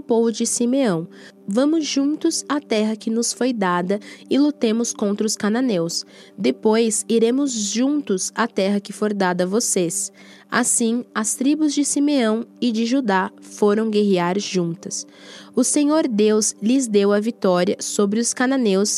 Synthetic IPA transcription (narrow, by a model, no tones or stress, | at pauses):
ʊpovʊd͡ʒɪsimeɐ̃w̃ | vɐ̃mʊzʒũnt̪ʊzat̪ɛɦɐkɪnʊsfojd̪ad̪ɐɪlut̪ẽmʊskõnt̪ɾɐʊskananews | d̪epojziɾẽmʊzʒũnt̪ʊzat̪ɛɦɐkɪfoɾd̪ad̪ɐvoses | a̰sĩɐst̪ɾibʊzd͡ʒɪsimeɐ̃w̃ɪd͡ʒɪʒud̪afoɾɐ̃w̃ɡeɦiaɾʒũnt̪ɐs | ʊseɲoɾd̪ewzlɪzd̪ewɐvit̪ɔɾiɐsobɾɪʊskananews